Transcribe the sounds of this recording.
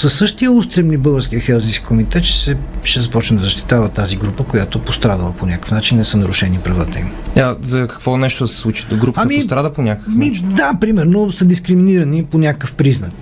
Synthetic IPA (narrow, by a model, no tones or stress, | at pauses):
səsːɤʃt̪ijəust̪ɾɛmnibɤlˠɡəɾsk̟ijəxɛlˠzinskʲi̥komit̪ɛt̪ʃɛ̥sɛʃɛzɐpɔt͡ʃnəd̪ɐzəʃt̪i̥t̪avət̪aziɡɾupəkojat̪opost̪ɾad̪əlˠəponʲakə̥fnat͡ʃinːɛsənɐɾʊʃɛnipɾɐvat̪əḭmazɐkɐ̥kvɔnɛʃt̪od̪sɛ̥slˠut͡ʃi̥ɡɾupəamist̪ɾad̪əponʲakəkəfmid̪apɾimɛɾnosəd̪iskɾiminiɾɐniponʲakəfpɾiznəkk